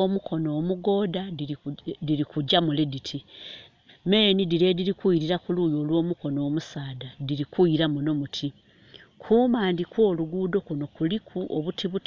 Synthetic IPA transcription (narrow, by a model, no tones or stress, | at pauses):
omukʰo̞no̞ːmuɡo̞ːda | diɾikuɟamule̞ditʰi | me̞ːnidiɾe̞diɾikuiɾiɾakulujo̞ːlwo̞ːmuko̞no̞ːmusaːdadiɾikuiɾamuno̞mutʰi | kʰuːmaːndikwo̞ːluɡuːdo̞kuno̞kulikʰuoβutʰiβut